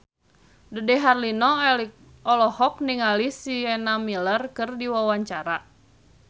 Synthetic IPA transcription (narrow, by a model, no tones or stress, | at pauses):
dudɛɦarlinɔ | ɔlɔhɔk̚niŋalisiɛnamilərkɨrdiwawaɲt͡ʃaɾa